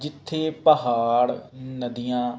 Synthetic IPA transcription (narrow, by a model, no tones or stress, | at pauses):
d͡ʒɪt̪ʰːeːpəɦaːɽnəd̪ɪjãː